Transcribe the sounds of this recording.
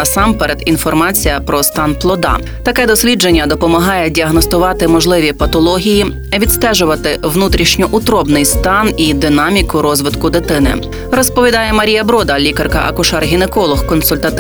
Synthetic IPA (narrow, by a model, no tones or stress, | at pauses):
ɐsɑmpɛɾed̪in̪fɔrmɑt͡sʲijɐpɾɔst̪ɑnplˠɔd̪ɑ̰ | t̪ɐkɛd̪ɔsʲlʲid͡ʒenʲːɐd̪ɔpɔmɐɦɑjɛdʲiɐɦnɔst̪ʊʋɑt̪ɪmɔʒlˠɪʋʲipɐt̪ɔlˠɔɦʲiji | ʋʲid̪st̪ɛʒʊʋɐt̪ɪʋnut̪ɾʲiʃnʲɔʔʊt̪ɾɔbnɪjst̪ɑnid̪ɪnɑmʲikʊɾɔzʋɪt̪kʊd̪ɪt̪ɪnɪ̰ | ɾɔspɔʋʲid̪ɑjɛmɐɾʲijɐbɾɔd̪ɐlʲikɐrkɐ̰ʔɐ̰kʊʃɑrɦʲinekɔlˠɔhkɔnsʊlʲt̪ɐt̪